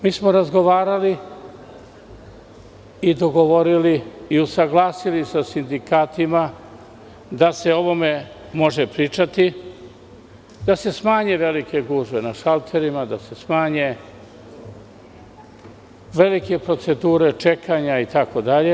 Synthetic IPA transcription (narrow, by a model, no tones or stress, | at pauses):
miːsmoɾazɡo̞ʋaːɾali | id̪o̞ɡo̞ʋo̞ɾiliiusaɡlˠaːsilisasind̪ikaːt̪ima | d̪ase̞o̞ʋo̞me̞ | mo̞ʒepɾiːt͡ʃat̪i | d̪̥ase̞smaːɲe̞ʋe̞like̞ɡuːʒʋe̞naʃalt̪ʰe̞ɾimad̪ase̞smaːɲe̞ | ʋe̞like̞pɾo̞t̪se̞d̪uːɾe̞t͡ʃe̞kaɲait̪ako̞d̪aʎe̞